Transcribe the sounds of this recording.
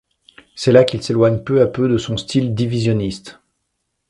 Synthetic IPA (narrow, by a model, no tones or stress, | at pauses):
sɛlakʲilselwaɲpøapød̪əsɔ̃st̪ild̪ivizjɔnist̪